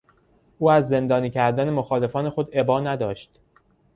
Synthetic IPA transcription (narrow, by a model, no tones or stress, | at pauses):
ʔuːæzːe̞nd̪ɒːniːcʰæɾd̪æne̞moxɒːle̞fɒːne̞xo̞d̪e̞bɒːnæd̪ɒːʃt̪